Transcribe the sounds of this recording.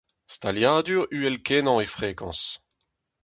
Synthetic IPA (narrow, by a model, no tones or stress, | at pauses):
st̪aljaːd̪yːʁyːɛlkɛnɑ̃efʁeːkɑ̰̃s